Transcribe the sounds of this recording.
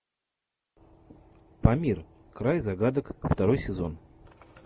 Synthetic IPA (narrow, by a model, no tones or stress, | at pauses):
pɐmʲir | kɾajzɐɡad̪əkft̪ɐɾo̞jsʲɪzo̞n